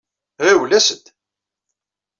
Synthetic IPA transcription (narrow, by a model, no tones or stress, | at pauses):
ɾæwlæsəd̪